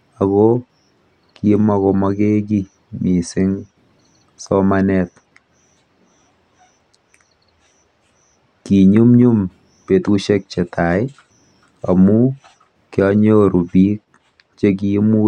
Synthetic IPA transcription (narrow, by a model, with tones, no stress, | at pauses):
ako | ki˦ma˦ko˧mɔ˦ke˦k̬i˦ | mi˨sɪ˦ŋ | sɔ˦manɛt̚ | ki˨ɲu˦mɲu˦m | pe˨tu˦ʃe˦k̚t͡ʃe˨tʰa˨ɪ˦ | a˨mu˦ | kjɔ˦ɲo˦ɾu˨bi˦k̚ | t͡ʃe˦k̬i˦mu˦